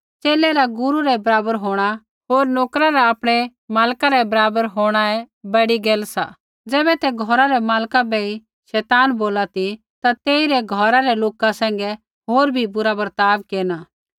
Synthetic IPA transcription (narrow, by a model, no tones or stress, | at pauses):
t͡ʃeːlɛɾaɡʊɾuɾɛbɐɾaːbəɾɦoːɽ̃a | ɦoːɾnoːkɾaɾaapɽ̃ɛ | maːlkaɾɛbɐɾaːbəɾɦoːɽ̃aɛ | bɐɽiɡeːlsa̰ | d͡zɛːbɛt̪ɛɡʱɔɾaɾɛmaːlkabɛi | ʃɛːt̪aːnboːlat̪i | t̪at̪eːiɾɛɡʱɔɾaɾɛloːkasɛ̃ːŋ̆ɡɛ | ɦoːɾbʱibʊɾabɐɾt̪aːʋkeːna